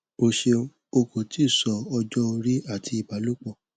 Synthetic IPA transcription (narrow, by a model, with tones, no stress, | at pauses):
o˧ʃe˧ | o˧ko˨ti˨˦˨sɔ˨˦ɔ˧d͡ʒɔ˦o˧ɾi˦a˦˨tʰi˧i˨ba˨lu˦k͡pɔ˧˨